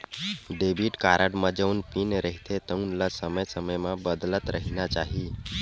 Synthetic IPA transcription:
ɖebʱiʈkaɾaɽmad͡ʒəunpinɾəɦit̪ʰet̪əunlasəməjsəməjmabəd̪lət̪ɾəɦinjat͡ʃaɦi

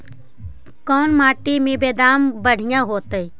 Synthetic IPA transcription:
kɔːnmaːʈimẽbeːd̪aːmbəɽ̤ɪjãɦoːt̪əi

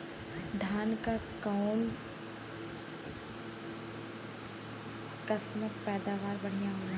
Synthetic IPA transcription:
d̪ʱaːnkakaʊn | kəsmək̚pɛːd̪aːʋaːɾbɐɽ̤ijaɦoːa

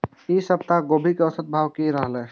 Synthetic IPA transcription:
isəbt̪aɡoːbʱikeəsət̪̚bʱawkiɾəɦlɛː

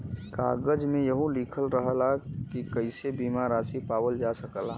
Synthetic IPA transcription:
ka̰ːɡəd͡ʒmẽjəɦũliːkʰəlɾəɦəlakikəɪsebiːmaɾaːsipaːwəld͡ʒasəkəlaː

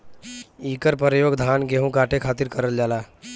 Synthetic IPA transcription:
iːkəɾpəɾəjoːɡd̪ʱaːnɡeɦũkaːʈʰekʰaːt̪iɾkəɾəld͡ʒaːlaː

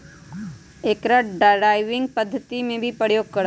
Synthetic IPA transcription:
eːkɾəʈɖaɾaːɪʋɪ̃ŋɡ̚pəd̪ʱːət̪imẽbʱipəjoːɡ̚kɐɾ

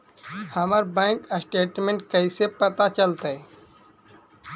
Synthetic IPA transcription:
həməɾbɛ̃ːŋkəsʈeːʈmẽɳʈkəisepət̪at͡ʃəlt̪e

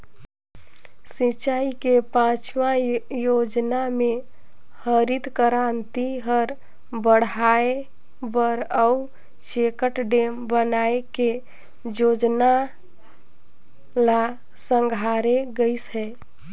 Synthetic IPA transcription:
sit͡ʃaikepãt͡ʃwãjod͡ʒnamẽ | həɾid̪kəɾant̪iɦəɾ | bəɽae | bəɾəu | t͡ʃekəʈɖembənaeke | d͡ʒoːd͡ʒna | la | sə̃ŋɡʱaɾeɡəisɦɛː

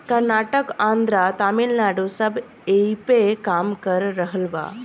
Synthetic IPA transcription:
kəɾnaʈəkãnd̪ɾat̪amelnaɽusəb | ejpekamkəɾːəɦəlʋa̰

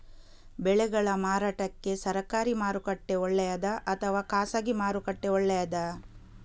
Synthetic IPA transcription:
bɛɭɛɡɐɭɐmaːɾaːʈɐkːe̞sɐɾɐkaːɾimaːɾukɐʈːeɔɭːɛjɐd̪ɐʔɐt̪ʰɐʋaːkaːsaːɡimaːɾukɐʈːeɔɭːɛjɐd̪ɐ

